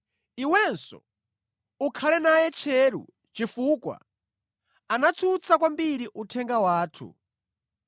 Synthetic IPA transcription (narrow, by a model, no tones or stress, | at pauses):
iwɛnsɔ̰ | ukʰalɛnajɛt͡ʃʰɛɾṵ | t͡ʃifukwa̰ | anat͡sʰut͡sʰakwambiɾiʔutʰɛŋɡawaːtʰṵ